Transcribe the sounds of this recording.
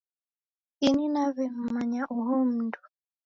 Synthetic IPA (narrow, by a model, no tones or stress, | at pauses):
ininaβɛm̩maɲaʔuɦɔm̩ndu̥